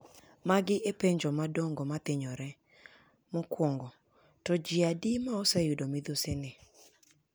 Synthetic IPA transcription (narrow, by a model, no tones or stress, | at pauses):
maɡɪʔepeɲd͡ʒɔmadoŋɡɔmat̪ɪɲɔɾɛ | mɔkwɔŋɡɔ | tɔd͡ʒɪadimaɔsɛjudomɪd̪osenɪ